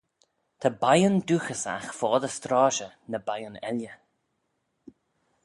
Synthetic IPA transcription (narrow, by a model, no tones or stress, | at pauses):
t̪ʰabajʊnd̪uːxəsa̰xfɔːd̪əst̪ɾɑːʃənəbajʊnɛ̰ljə